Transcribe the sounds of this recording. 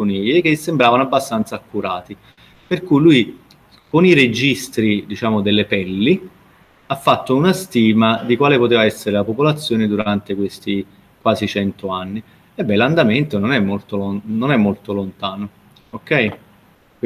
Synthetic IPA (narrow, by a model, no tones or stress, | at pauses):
oniʎek̟esːembɾaːvanoabːast̪ant̪saːkːuɾaːt̪i | perkujluj | konired͡ʒist̪ɾid̪it͡ʃaːmod̪elːepɛlːi | afːat̪ːounast̪iːmad̪ikwaːlepot̪eːvaɛsːeɾelapopolat̪sːjoːned̪uɾant̪ekwest̪i | kwaːzit͡ʃɛnt̪oanːi | ɛbːɛland̪ament̪ononɛmːolt̪ononɛmːolt̪olont̪aːno | okːɛj | k